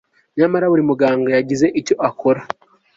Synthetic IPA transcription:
ɲamaɾaβuɾimuɡaːŋɡajaɟize̞ʔico̞ʔakʰo̞ɾa

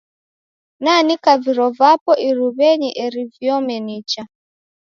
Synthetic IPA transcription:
nanikaviɾɔvapɔʔiɾuβɛɲiʔɛɾivjɔmɛnit͡ʃa

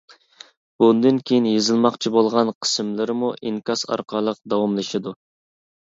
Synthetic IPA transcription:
b̥und̪ɨnkʲʰejinjezɨlˠmɑqt͡ʃʰibolˠʁɑnqʰə̥smlɪɾɪmuʔiŋkɑsɑ̰ɾqʰɑlˠəq̚d̪ɑwɑmlˠɨʃɨd̪u

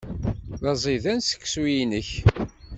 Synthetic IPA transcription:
ðɑzˤiðænsə̥kːswiinəç

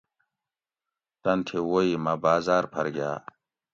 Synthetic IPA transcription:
t̪ɐnt̪ʰewoimɐbaːzaːɾpʰɐɾɡja̰ː

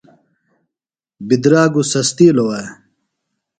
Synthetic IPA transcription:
bid̪ɾaːɡusɐst̪iːlowa

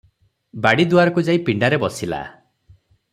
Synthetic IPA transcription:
baɽid̪uaɾɔkud͡ʒaipiɳɖaɾebɔsila̰

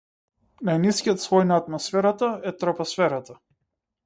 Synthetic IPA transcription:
najniskʲijɔt̪svɔjnaːt̪mɔsfɛɾat̪aɛt̪ɾɔpɔsfɛɾat̪a

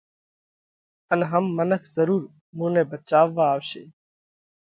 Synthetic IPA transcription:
ənɦəmːənəkʰzəɾuːɾ | mũːnẽːbət͡ʃaːʋːaːʋʃḛː

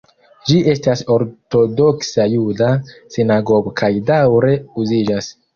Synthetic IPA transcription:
d͡ʒiʔe̞staso̞ɾto̞do̞ksajudasinaɡo̞ɡo̞kʰajdawɾe̞uzid͡ʒas

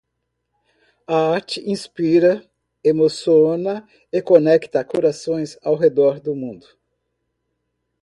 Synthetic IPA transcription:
aaɾt͡ʃɪʔĩspiɾɐ | emosionɐ | ekonɛkt̪ɐkoɾasõj̃zawɦed̪ɔɾd̪ʊmũnd̪ʊ

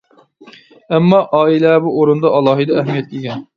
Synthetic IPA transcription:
æmːɑʔɑːilɛbuʔoɾund̪ɑʔɑlˠːɑːɦijd̪ɑæhmijɛt̪̚kʲʰekʲɛn

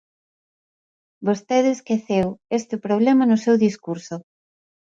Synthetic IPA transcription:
bost̪eðeskeθewest̪eʊpɾoβ̞lɛmɐnʊsewðiskuɾso

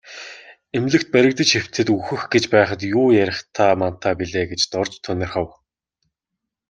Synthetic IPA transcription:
emɮɘ̆kt̪̚pæɾʲɪ̆k̚t̪ə̆t͡ɕxew̥t̪ʰɘ̆t̪uxɘ̆xɡet͡ɕpæːχə̆t̪jʊːjæɾʲɪ̆χt̪ʰaːman̥t̪ʰːaːpiɮeːɡet͡ɕt̪ɔrt͡ɕt̪ʰːœnɪ̆rχaw

